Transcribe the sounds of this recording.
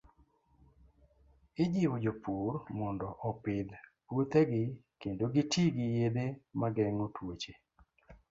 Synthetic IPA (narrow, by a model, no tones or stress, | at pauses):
ɪd͡ʒiwod͡ʒopuɾmɔndɔʔɔpɪd̪pot̪ɛɡɪkendoɡitiɡɪjed̪emaɡɛŋotʰwot͡ʃe